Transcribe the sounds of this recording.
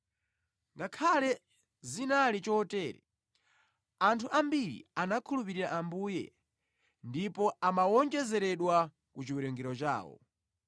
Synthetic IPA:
ŋɡakʰalɛ | zinalit͡ʃɔtɛːɾɛ̰ | antʰuʔambiɾḭanakʰulupiɾiɾaʔambuːjɛ̰ | ndipɔamawɔnd͡ʒɛzɛɾɛɗwa | kut͡ʃiwɛɾɛŋɡɛɾɔt͡ʃa̰ːwɔ̰

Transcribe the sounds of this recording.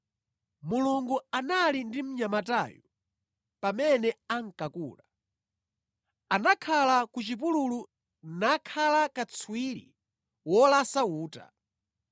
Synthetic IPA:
muluŋɡuanalindim̩ɲamata̰jɔ | pamɛnɛaŋ̩kakṵːla | anakʰalakut͡ʃip̬ululu | nakʰalakat͡sʰwiɾḭ | wɔlasauːta̰

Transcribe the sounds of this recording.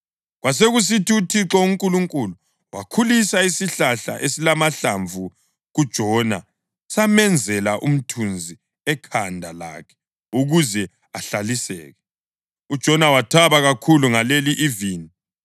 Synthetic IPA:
ɣwaseɣus̬itʰiutʰiǁɔuŋkʼuluŋkʼulu | wa̰kʰulisaisiɬaɬa̰ʔesilamaɬaɱvʱu | ɣud̥ʒ̥ʱɔna | samɛnd͡zʱɛlaʔum̩tʰund͡zʱi | ɛkʰandʱala̰ːkʰɛ̥ | uɣuzɛ | a̰ɬalisɛ̰ːɣɛ | ud̥ʒ̥ʱɔnawatʰaβaɣakʰuluŋaleliʔiviːni

